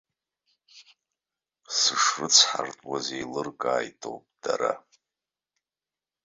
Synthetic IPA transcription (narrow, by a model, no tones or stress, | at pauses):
sɨʂrɨt͡sʰħartʼwazejlɨrkʼaːjtʼo̰wpʼd̥aɾa